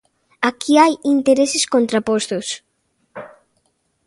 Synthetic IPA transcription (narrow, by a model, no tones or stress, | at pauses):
akʰiajint̪eɾeseskõnt̪ɾapost̪os